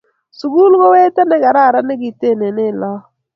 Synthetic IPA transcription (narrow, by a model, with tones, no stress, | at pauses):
su˨ɡu˦lkɔ˦we˦tɛ˦nɛ˦ka˨ɾa˦˨ɾa˦nɪ˦ɡɪ˨te˦˨ne˨nɪ˦˨lɔ˦